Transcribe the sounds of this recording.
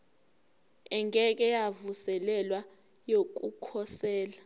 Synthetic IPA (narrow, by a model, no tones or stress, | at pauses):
ɛŋɡʱɛk̬ʼɛjavusɛlɛlwa | jok̬ʼukʰɔsɛːla